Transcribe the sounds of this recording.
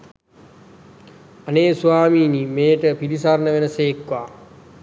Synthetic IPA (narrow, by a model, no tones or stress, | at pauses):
aneːsuʋaːmiːniːmeːʈəpilisaɾnəʋenəseːkʋaː